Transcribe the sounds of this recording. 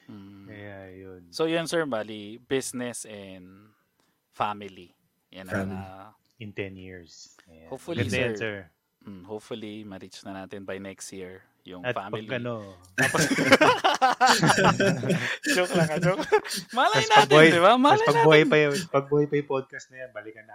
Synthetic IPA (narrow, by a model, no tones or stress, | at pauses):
m̩jajonsojʊnsɛɹbalibɪsnɛsɛnd̪ | famɪli | jɐnɐa | ɪnt̪ɛnjiɹshopfʊlɡɐid̪jasɛɹ̩ | hopfʊlimɐɾit͡ʃnɐnaːt̪ɪnbɐjnɛkst̪jiɹ | jʊŋɐt̪ampɐlɐnoʔ | apɐ | d͡ʒoklɐŋɐd͡ʒokmɐlɐɐjnaɐɡ̚b̪ɪhajd̪ɪbamɐlaɐɡbuhajpɐjʊpɐɡ̚buhajpɐjʊpod̪̚kɐst̪̚nɐjanbɐlɪkɐnɐ